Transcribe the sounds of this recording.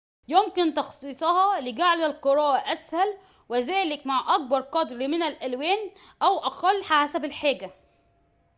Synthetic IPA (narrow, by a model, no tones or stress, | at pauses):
jomkɪnt̪ɑxsˤiːsˤɑhɑlɪɡaʕlælqɨɾˤɑːʔæʔæshæl | wɪzæːlɪkmaʕʔæk̚bɑɾˤqɑd̪ɾmɪnælʔælwæːn | ʔæwʔæqɑlːħaasæbɪlħaːɡæ